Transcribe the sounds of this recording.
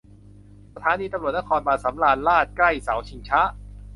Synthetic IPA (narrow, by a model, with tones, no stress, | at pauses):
sa˧t̪ʰaː˨˦niː˧t̪a˧mɾu˨˩ət̪̚na˦˥kʰɔː˧nbaː˨˩t̪̚sa˩˦mlaː˧nlaː˥˩t̪̚kla˥˩jsa˩˦wt͡ɕʰi˧ŋt͡ɕʰa˦˥ʔ